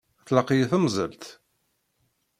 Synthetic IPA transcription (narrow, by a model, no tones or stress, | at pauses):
θlɑqijθəmzˤə̰lt̪